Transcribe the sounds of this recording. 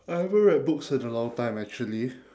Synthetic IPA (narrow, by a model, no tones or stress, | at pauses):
aɪɛvəɹɛt̚bʊksɛtəlɔ̃ŋtãɪ̃mæk̚t͡ʃuəli